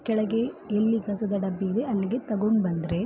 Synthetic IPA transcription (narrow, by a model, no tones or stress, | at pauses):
kɛɭɐɡe̞ːlːikɐsɐd̪ɐɖɐbːiid̪e̞ɐlːiɡe̞t̪ɐɡoɳbɐnd̪ɾe̞